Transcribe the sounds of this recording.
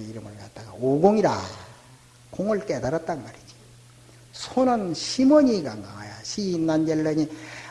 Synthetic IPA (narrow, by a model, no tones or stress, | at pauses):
iɾɯmɯɭkat͈aɡaoɡoŋiɾa | koŋɯɭk͈edaɾat̚t͈aɡmaɾid͡ʑi̥ | sʰonʌnɕʰimʌɲiɡaŋaŋajaɕʰiːnːanjelːʌɲi